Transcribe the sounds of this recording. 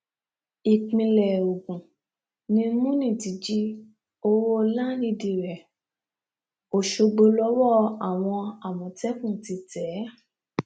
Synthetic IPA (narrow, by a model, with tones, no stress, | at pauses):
i˨k͡pĩ˧lɛ˨o˨ɡũ˨ | nĩ˧mũ˦nĩ˦˨ti˨˦d͡ʒi˦ | o˧wo˦la˦nĩ˧di˧˨ɾɛ˨ | o˨ʃo˧ɡ͡bo˧lɔ˨˦wɔ˦˨a˨w̃ɔ̃˧a˨mɔ̃˨tɛ˦kũ˦˨ti˧tɛ˨˦